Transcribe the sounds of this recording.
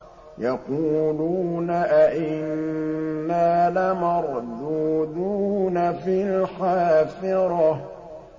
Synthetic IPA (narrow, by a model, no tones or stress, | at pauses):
jɑquːluːnaʔaʔɪnː | aːlamɑɾˤd̪uːd̪uːnafilxaːfɪɾɑ